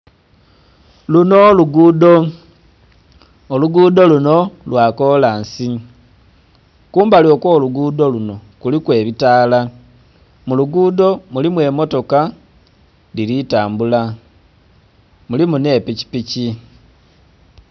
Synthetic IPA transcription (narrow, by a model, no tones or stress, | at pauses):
lunoluɡudo | oluɡuːdo̞luno̞lwakolaːnsi | kuːmbalo̞koːluɡudo̞luno̞kulikwe̞ːβitaːla | muluɡuːdo̞mulimwe̞ːmo̞to̞ka | liɾitaːmbula | mulimune̞ːpici̥pici